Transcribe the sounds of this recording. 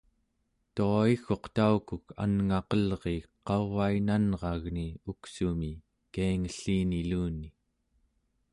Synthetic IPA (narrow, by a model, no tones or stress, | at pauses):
t̪oixo̞qt̪aukukʰa̰nŋɑqʌlʁeqɑvainanʁɑɣniuksumi | kaiŋəɬːiːniluːni